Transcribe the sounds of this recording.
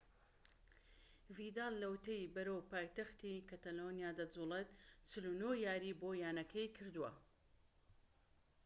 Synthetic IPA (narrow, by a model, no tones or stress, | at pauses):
vid̪ɑːlːɐwt̪ejbɐɾowpaːjt̪ɐxt̪ikɐt̪ɐlonjaːd̪ɐd͡zuːlet̪t͡ʃɨlunojaːɾiːboːjaːnɐkʰɐjkʰɨɾd̪uwɐ̰